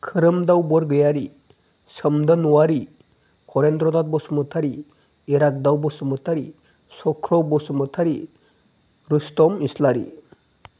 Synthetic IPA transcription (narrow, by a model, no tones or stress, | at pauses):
kʰɯɾɯmdawbɔɾɡɯjaɾi | sɯmdɯnuwaɾi | kʰɔɾendɾɔnat̚bɔsumɯtʰaɾi | eɾak̚dawbɔsumɯtʰaɾi | sɔkʰɾɔbɔsumɯt̪ʰaɾi | ɾustɔmislaɾḭ